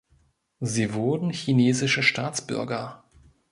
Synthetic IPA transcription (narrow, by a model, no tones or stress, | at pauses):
ziːvʊɐdn̩çineːzɪʃəʃtaːt͡sb̥ʏ̰ɐɡɐ